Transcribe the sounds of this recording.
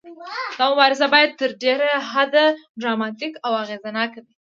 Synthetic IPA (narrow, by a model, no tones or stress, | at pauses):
d̪̥ɑmʊbɑɾɪsabɑjad̪̚t̪əɾɖeɾaɦad̪aɖɾɑmɑt̪ikawaɣezanɑkawi